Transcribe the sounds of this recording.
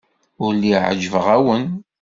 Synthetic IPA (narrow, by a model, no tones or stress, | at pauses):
ʊɾlːiʕd͡ʒəvəʁæwən